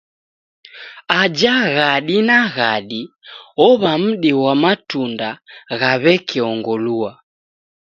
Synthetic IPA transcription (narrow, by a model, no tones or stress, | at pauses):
ad͡ʒaɣaɗinaɣaɗiɔβam̩ɗiwamatundaɣaβɛkiɔŋɡɔlua